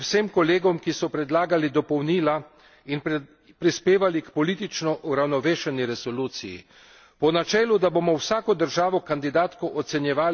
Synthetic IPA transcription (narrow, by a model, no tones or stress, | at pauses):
wseːmkɔleːɡɔmkisɔpɾɛd̪laːɡalid̪ɔpɔwniːla | in | pɾispeːʋalikpɔliːt̪it͡ʃnɔʔuɾawnɔʋeːʃɛniɾɛsɔluːt̪sijḭ | pɔnat͡ʃɛːlud̪abomɔwsaːkɔd̪əɾʒaːʋɔkand̪id̪aːt̪kɔʔɔt̪sɛnjɛʋaː